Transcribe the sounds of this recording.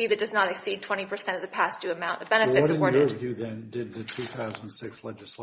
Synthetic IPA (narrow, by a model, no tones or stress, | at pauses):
iðɨt̚d̥ʌznəɾɨksid̚tʰw̥ɛ̃ɾ̃ipʰə˞sɛ̃ñʌvðɨpʰæsd̥ʉɨmãʊ̃ntʌbɛ̃nɨffɨʌdɨɪɔɹɾə˞dɨðɨ̃ndɪd̪̚ðɨtʰʉθaʊz̃nnsɪkslɛd͡ʒɨsle